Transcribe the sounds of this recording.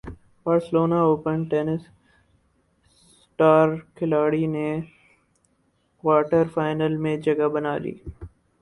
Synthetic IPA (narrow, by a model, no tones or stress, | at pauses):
baːɾsɪloːnaoːpənʈɛːnɪs | ʈaːɾkʰɪlaːɽine | kwaːʈəɾfaːɪnəlmẽd͡ʒɐɡabɐnaːlḭː